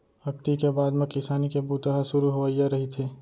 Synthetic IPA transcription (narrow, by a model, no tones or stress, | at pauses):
ɐkt̪ikebaːd̪mẽkɪsaːnikebuːt̪aɦasʊɾuɦoʋajaɾɐɦit̪ʰeː